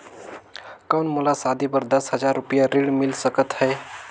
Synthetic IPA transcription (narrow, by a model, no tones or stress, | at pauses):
kawnmulasad̪ipəɾd̪əsɦəd͡ʒaɾːupijaɾiɽmilsəkət̪ɦəe